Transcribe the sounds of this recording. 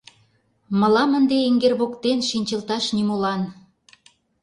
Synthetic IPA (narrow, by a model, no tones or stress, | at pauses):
mə̆lɑmənd̪eeŋɡerβokt̪enʃinʲt͡ɕəlt̪ɑʃnimolɑn